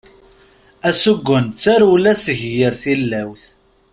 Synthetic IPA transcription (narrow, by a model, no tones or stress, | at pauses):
æsuɡʷːənt͡sːaɾulæsəʝjəɾθilːæwθ